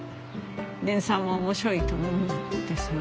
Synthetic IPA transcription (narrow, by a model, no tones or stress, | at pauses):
d̪ẽ̞ɰ̃sãɰ̃βaomoɕiɾo̞it̪omoɾɯnakood̪̥esɨn